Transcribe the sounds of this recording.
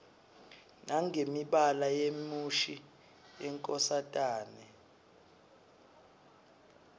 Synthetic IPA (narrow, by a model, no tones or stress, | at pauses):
nʔaŋʱemiɓalajemuʃi | jɛŋkʼɔsatʼaːnɛ